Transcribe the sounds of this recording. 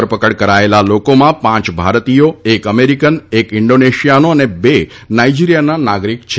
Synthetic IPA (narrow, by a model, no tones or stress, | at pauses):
əɾpəkəɽkəɾaelalokomãpãt͡ʃbʱaɾt̪ijoekəmeɾikənekɪɳɖoneʃijanoənebe | naid͡ʒiɾijananaɡɾikt͡ʃʰ